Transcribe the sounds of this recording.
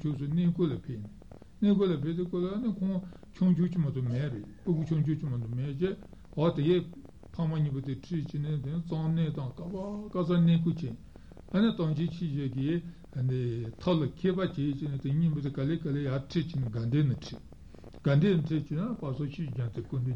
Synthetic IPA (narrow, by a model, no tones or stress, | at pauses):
t͡ɕʰosunekolapʰeni | nekolapʰet̪̬ekolaənikʰoŋ | t͡ɕʰoŋt͡ɕʰuʔt͡ɕimat̪umeʔreʔpukut͡ɕʰoŋt͡ɕʰuʔt͡ɕimat̪umeʔt͡ɕe | ɦat̪eke | pʰamaɲipat̪eʈ͡ʂʰit͡ɕinit̪ent͡sɑŋnet̪ɑŋkapakas̬anekut͡ɕe | ənit̪ɑŋd͡ʑit͡ɕʰiɕek̬i | ənd̪it̪ʰɑlakʰeːpat͡ɕet͡ɕenit̪eɲipat̪ekalekalejaʈ͡ʂʰit͡ɕiniɡand̪enəʈ͡ʂʰi | ŋɡ̥and̪enʈ͡ʂʰit͡ɕinapasʰoɕʰid͡ʑant̪ekond̪e